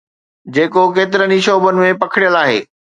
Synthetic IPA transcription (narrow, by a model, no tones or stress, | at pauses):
d͡ʑeːkok̬eːt̪̬ɪɾəniʃoːbənɪ̆mẽpɐkʰɪɽijəlaːɦḛː